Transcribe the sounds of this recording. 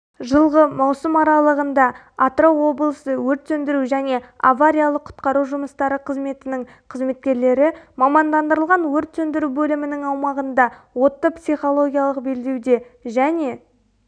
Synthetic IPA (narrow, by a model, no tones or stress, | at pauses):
ʒəlˠʁəmɑwsəmɑɾɑlˠəʁənd̪ɑ | at̪ro̞wo̞blˠəsəwɵɾt̪sɵnd̪ɪɾuʒæne̞a̰vaɾʲijalˠəqʰʊ̥t̪qɑɾuʒʊməst̪ɑɾəqʰəzme̞t̪ɪnɪŋ | qʰəzme̞t̪̚kʲe̞ɾle̞ɾɪmɑmɑnd̪ɑnd̪əɾəlˠʁɑnwɵɾt̪sɵnd̪ɪɾubɵlɪmɪnɪŋɑwmɑʁənd̪ɑ | wo̞t̪ːəpsijχo̞lˠo̞ɡʲijalˠəqbe̞ld̪e̞wd̪e̞ʒæne̞